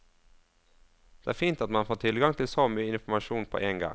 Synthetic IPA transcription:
d̪̥eːæːfiːnt̪ɑt̪mɑnfoːt̪ʰɪlɡɑŋt̪ʰɪlsoːmyːəɪnfɔmɑʃuːnpʰo̰ːʔeːŋɡɑ̰ŋ

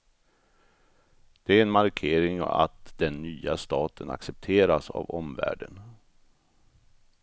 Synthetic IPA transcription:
d̪̥ɛæɾɛnmaɾkʰeːɾɪŋɔa̰t̪d̪ɛnːyːast̪ɑːt̪ʰəna̰ksɛp̚t̪ʰeːɾasa̰vɔmvæ̰ːɖən

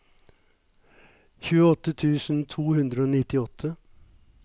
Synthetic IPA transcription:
çʉːəɔt̪ːət̪ʰʉːsn̩t̪ʰuːhʉnd̪ɾəoːnɪt̪ɪɔt̪ʰːə

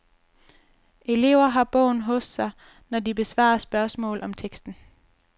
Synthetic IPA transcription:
e̝le̝̰ʊɐɦɑ̈b̥ɔʊ̰nɦɔ̽sːɑ̈ɪ | nɒdib̥e̝sʋɑ̰̈ɐsb̥ɶɐsmɔ̰̽ːlɒ̽mt͡sʰeɡ̥sd̥n̩

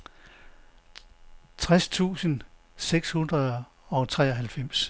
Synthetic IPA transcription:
t͡sʰʁast͡sʰṵːsən | seɡ̥shunʁɐðˠ | ɒ̽t͡sʰʁɛ̰ːɒɦælfem̰s

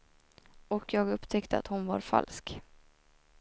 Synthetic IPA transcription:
ɔkjɑːɡɵpːt̪ʰɛkt̪əa̰t̪hʊnva̰ɾfa̰lsk

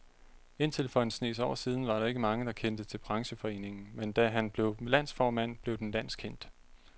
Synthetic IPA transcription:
e̝nt͡sʰe̝ləfɒ̰ensne̝̰ːs̬ɒ̰ʊ̰siːð̞ˠn̩ʋɑ̈ɾɑ̈e̝ɡ̥əmɑ̈ŋəd̥ɑ̈kʰen̰d̥ət͡sʰe̝lb̥ʰʁɑ̈ŋɕəfɒ̽e̝̰ːne̝ŋn̩mend̥æɦænb̥le̝ʊlæn̰sfɒːmæn̰b̥le̝ʊd̥enlæn̰skʰen̰d̥

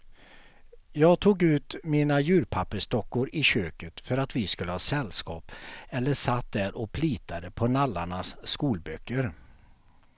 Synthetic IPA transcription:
jɑːɡt̪ʰuːɡʉ̟ːt̪miːnajʉ̟ːɾpʰapːəʂt̪ɔkːʊɾɪɕøːkət̪fœɾat̪vɪskɵlːəhɑːsɛlːskɑːpɛlːəʂat̪̚d̪æɾʔɔk̚pʰliːt̪ʰad̪əpʰɔnalːaɳasːkuːlbœkːəɾ

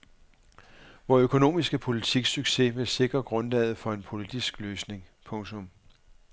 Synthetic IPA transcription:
ʋɒøkʰo̝no̝̰ːmisɡ̥əpʰo̝lit͡sʰiɡ̥syɡ̥se̝ʋe̝se̝ɡ̥ʁɐɡ̥ʁɔ̽nlɛːð̩ˠfɒ̽e̝npʰo̝lid̥isɡ̥løːsne̝ŋpʰɔ̽ŋt͡sʰɔ̽m

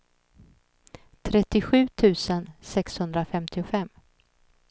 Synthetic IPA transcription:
t̪ʰɾɛt̪ːɪɧʉ̟ːt̪ʰʉ̟ːsənsɛkshɵnd̪ɾafɛmt̪ʰɪʊfɛm

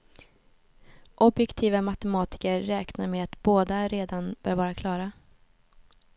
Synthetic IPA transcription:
ʔɔbjɛkt̪ʰiːvamat̪ɛmɑːt̪ɪ̥kəɾːɛːknaɾmɛat̪boːd̪aɾeːd̪anb̥œːɾvɑːɾakʰlɑːɾa

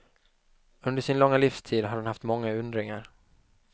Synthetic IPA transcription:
ɵnd̪əʂɪnlɔŋːalifst̪ʰiːd̪ɦaɖanhaft̪mɔŋːaɵnd̪ɾɪŋaɾ

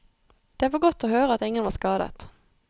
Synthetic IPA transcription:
d̪̥ɛːæʋoːɡɔt̪ːoːhøːʁəɑt̪ɪŋənʋɑːskɑːd̪ə̰t̪

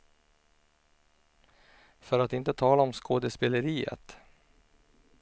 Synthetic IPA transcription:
fœɾat̪ɪnt̪ət̪ʰɑːlaɔmskʰoːd̪əspɛləɾiːə̰t̪

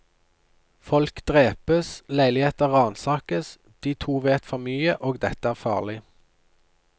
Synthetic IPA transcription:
fɔlkd̪̥ʁeːpəslæɪlɪheːt̪əʁɑːnsɑːkəs | d̪̥iːt̪ʰuːʋeːt̪fɔʁmyːəʔoːɡd̪ɛt̪əæːʁfɑ̰ːʁlɪ

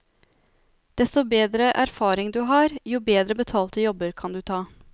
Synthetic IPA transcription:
d̪̥ɛst̪ɔbeːd̪ɾəʔæɾfɑːɾɪŋd̪ʉːɦɑːɾjuːbeːd̪ɾəbət̪ʰɑːlt̪əjɔbəɾkʰɑnd̪ʉːt̪ʰɑː

